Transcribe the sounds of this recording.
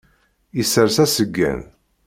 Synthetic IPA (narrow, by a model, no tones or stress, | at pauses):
isəɾsæsəɡːæ̰n